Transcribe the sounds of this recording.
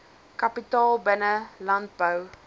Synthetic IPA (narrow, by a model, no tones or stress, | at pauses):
kapitɑːlˠbənəlant̚bəw